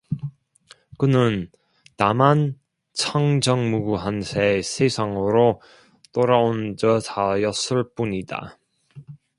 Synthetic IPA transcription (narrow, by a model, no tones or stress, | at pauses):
kɯnɯn | taman | t͡ɕʰaŋd͡ʑʌŋmuɡuɦansʰeesʰesʰaŋɯɾo | t͈oɾaond͡ʑʌsajʌs͈ɯɭp͈uɲida̰